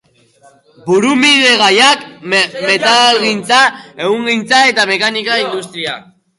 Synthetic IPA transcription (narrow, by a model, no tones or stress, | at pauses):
buɾumiðe̞ɣ̞ajakme̞t̪alɣint͡sae̞ɣuŋɡint͡sae̞t̪ame̞kanikaind̪ust̪ɾia